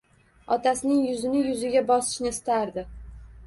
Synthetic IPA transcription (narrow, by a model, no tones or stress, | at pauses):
ɒt̪ʰasɪnɪŋjʊzɪnɪjʊzɪɡʲabɒsɪ̥ʃnɪst̪ʰaɾd̪ɪ